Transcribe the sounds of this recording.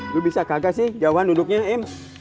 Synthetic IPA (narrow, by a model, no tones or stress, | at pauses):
lʊbisakaɡasɪhd͡ʒawuɦandudʊk̚ɲaɛm